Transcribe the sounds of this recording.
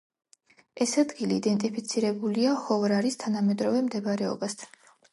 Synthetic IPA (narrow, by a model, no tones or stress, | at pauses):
ɛsad̪ɡiliːd̪ɛnt̪ʼipʰit̪sʰiɾɛbuliahɔvɾaɾist̪ʰanamɛd̪ɾɔvɛmd̪ɛbɾɛɔ̰bast̪ʰḁn